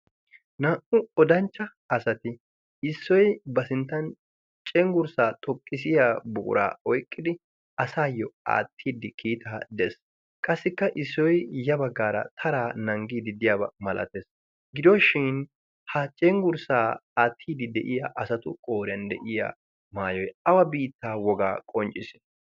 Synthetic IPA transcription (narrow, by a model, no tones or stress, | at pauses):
nɐʔʊɔd̪ɐnt͡ʃːɐ | ɐsɐt̪ɪ | ɪsːɔjbɐsɪnt̪ːɐn | t͡ʃʼɛŋɡʊɾsaːt̪ʼɔkʼːɪsɪjaːbʊ̰kʼʊ̰ɾa̰ːɔjkʼːɪd̪ɪ | ɐsaːjːɔa̰ːt̪ʰːiːd̪ɪkʰiːt̪ʰaːd̪ɛs | kʼɐsːɪkːɐʔɪsːɔjjɐbɐɡːaːɾɐ̰t̪ʰɐɾaːnɐŋɡiːd̪ɪd̪ɪjaːbɐ̰mɐlʔɐ̰t̪es | ɡɪd̪ɔʃɪn | hɐt͡ʃʼɛŋɡʊɾsaːaːt̪ʰːiːd̪ɪd̪ɛʔɪjaʔɐsɐt̪ʊkʼo̞ːɾɪjɐnd̪ɛ̰ʔɪja̰ː | maːjɔjɐwɐbiːt̪ːaːwɔɡa̰ːkʼɔnt͡ʃʼɪsɪ̥